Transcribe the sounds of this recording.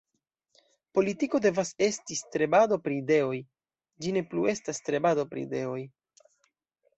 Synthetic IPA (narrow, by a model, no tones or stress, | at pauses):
po̞litiko̞de̞vase̞stistɾe̞badopɾiːde̞o̞j | d͡ʒine̞plue̞stastɾe̞badopɾḭde̞o̞j